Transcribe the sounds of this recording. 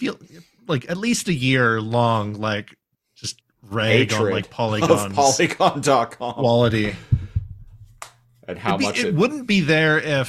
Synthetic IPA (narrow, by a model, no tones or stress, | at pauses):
filˠ | laɪkɨtˡlistɨjɪɹlɔ̃ŋlaɪk | dd̥ʒ̥ʌst̚ | ɹɛɡ̃nlaɪk̚pʰɑlˠiɑ̃npnʰlˠiɡɑ̃ndɑt̚kʰɑ̃kwɑlˠəɾi | ʔɨ̃nhaɪʊbiʌɪt̚wʊdⁿn̩b̥iðə˞ɪ